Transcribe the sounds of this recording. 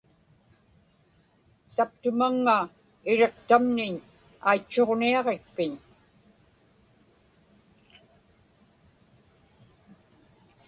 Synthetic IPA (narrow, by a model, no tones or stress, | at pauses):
sap̚t̪ʊmaŋːa | ɪɻeqt̪amnɪɲ | a̰jt͡ʃːo̞ʁniɑʁek̚pɪɲ